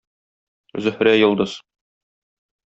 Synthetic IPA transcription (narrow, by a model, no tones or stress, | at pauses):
zɵ̆hɾæjŏlˠd̪ɤz